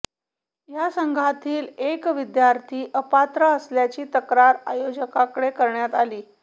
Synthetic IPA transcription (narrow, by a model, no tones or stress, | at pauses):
jasəŋɡʱat̪ʰiːlekʋid̪jaɾt̪ʰiːʔəpat̪ɾəəsljat͡ɕiːt̪əkɾaɾajod͡ʑəkakəɽekəɾɳjat̪aliː